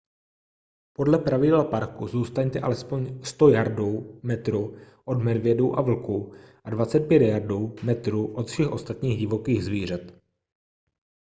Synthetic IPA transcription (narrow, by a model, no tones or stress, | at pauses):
po̞dlɛpɾavɪdɛlpaɾkuzuːst̪aɲt̪ɛʔalɛspo̞ɲst̪o̞jaɾduwmɛt̪ɾu | ʔo̞d̪mɛdvjɛdowʔavl̩kuʔadvat͡sɛt̪̚pjɛt̪jaɾduwmɛt̪ɾuʔo̞t̪fʃɛxʔo̞st̪at̪ɲiːɣɟɪvo̞kiːɣzviːr̝ɛt̪